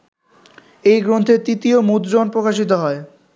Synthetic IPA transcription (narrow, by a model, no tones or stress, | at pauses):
ejɡɾont̪ʰet̪it̪iomut̪d͡ʑonpɾokaʃ̬it̪oɦɔe